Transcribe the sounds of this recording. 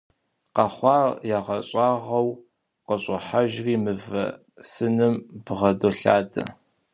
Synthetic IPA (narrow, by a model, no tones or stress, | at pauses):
qɑχʷɑːrjaʁɐɕʼɑːʁɐw | qəɕʼɐħaʒriːmɨvɐ̰ | sɨnɨmb̥ʁɐdoɬaːdɐ̰